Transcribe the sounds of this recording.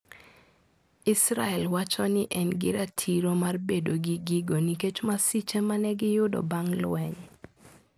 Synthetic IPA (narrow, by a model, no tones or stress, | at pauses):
isɾaɛlwat͡ʃɔnɪʔɛnɡɪɾatʰiɾomarbedoɡiɡiɡoniket͡ʃmasit͡ʃemanɛɡɪjʊdɔ̰baŋlwɛɲ